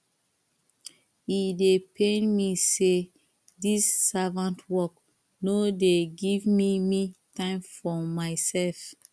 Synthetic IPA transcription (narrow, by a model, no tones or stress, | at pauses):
hidepʰẽnmise | disːavãntwɔk | nodeɡivmimitãɪ̃mfɔmaɪsɛlf